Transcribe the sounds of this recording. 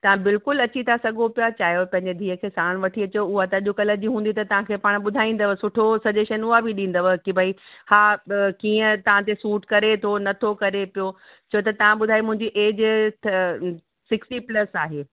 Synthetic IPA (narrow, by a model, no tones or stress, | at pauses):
t̪ɐʋ̤ãbɪlkʊlɐt͡ɕit̪ʰasɐɠopijat͡ɕaːɦjopɐ̃ɦɪ̃ɲd͡ʑed̪ʱiːəkʰeːsaːɽ̃ʋɐʈʰiɐt͡ɕoʊɦat̪ãʄokɐləd͡ʑiɦũːn̆d̪it̪ɐt̪ɐʋ̤ãkʰeːpaːɽ̃ɓʊd̪ʱaːĩːn̆d̪əʋəsʊʈʰosɐd͡ʑeʃənʊɦabʱiɗĩːnd̪əʋəkibʱaihaːkiːə̃t̪ɐʋ̤ãt̪̬esuːʈkɐɾet̪ʰonɐt̪ʰokɐɾepijo | t͡ɕʰɐjot̪ɐt̪ɐʋ̤ãɓʊd̪ʱaːimʊ̃ɦɪ̃ɲd͡ʑiʔeːd͡ʑʰ | sɪksʈiplɐsaːɦeː